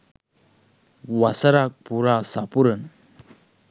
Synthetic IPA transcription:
ʋasəɾak̚puɾasapuɾən

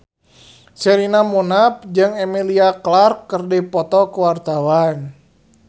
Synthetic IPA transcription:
sɛɾinamunap̚d͡ʒɨŋɛmiliaklarkːərdipɔt̪ɔkuwart̪awan

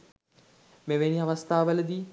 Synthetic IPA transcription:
meʋeniaʋast̪aːʋələd̪iː

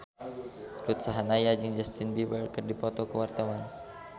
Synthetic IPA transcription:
rut̪saɦanajad͡ʒɨŋd͡ʒast̪inbiwɛlkərdipɔt̪ɔkəwart̪awan

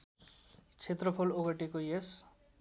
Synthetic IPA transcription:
t͡sʰet̪rʌpʰoloɡʌʈikojes

